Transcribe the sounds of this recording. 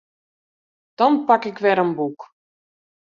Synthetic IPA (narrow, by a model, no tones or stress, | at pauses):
d̥ɔnpakɪkʋɛɾənbuk